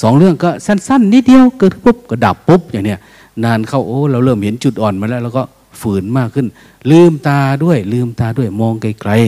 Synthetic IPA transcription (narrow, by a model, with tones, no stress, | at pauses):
sɔː˨˦ŋlɯ˧˥˩əŋka˧˩sa˧˥˨nsa˧˥˨nːiː˧˥di˧˨əwkɯ˧˩tpʰo˧˥˩p̚kaː˧˩daː˨˩pːo˧˥p̚ɲaː˨˩ŋni˧˩˨ | naː˧nkʰa˧˥˩wʔoː˧˩laː˧˩wlɤː˧˩mhe˨˦nt͡ɕu˧˩t̪̚ʔɔː˨˩nmaː˧˥˨lɛː˧˥˨lɛ˧wkɔː˧˩ | fɯː˨˦nmaː˧˩kʰːɯ˧˩˨n | lɯː˧˩˨mt̪aː˧du˧˥˨əjlɯː˧˩mt̪aː˧du˧˥˩əjmɔː˧ŋka˧˩jkla˧j